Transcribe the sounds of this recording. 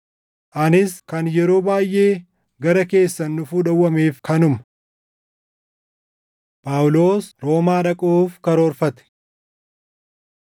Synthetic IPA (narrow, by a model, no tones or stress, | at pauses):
ʔɐnɪskɐnjɛɾo̞ːbaːjʔe̞ː | ɡɐɾɐke̞ːsːɐnːʊfuːᶑɐwːɐmeːfkʰɐnʊmɐ̥ | pʼaːwlo̞ːsɾo̞ːmaːᶑɐkʼuːfkɐɾoːɾfɐt̪ɛ̥